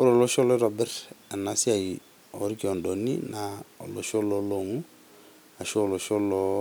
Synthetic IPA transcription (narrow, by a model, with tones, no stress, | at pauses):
o˦ɾo˨lo˦ʃɔ˦lɔ˦ɾɔ˨bɛ˦ɾa˨na˨si˦a˨ji | o̰˦ɾi˦ki˨ɔ˨ndo˨nḭ˦nao̰˨lo˨ʃo˦lo˦lo˨ŋu˦ | a˨ʃɔ˦o˨lo˨ʃo˦lɔ˦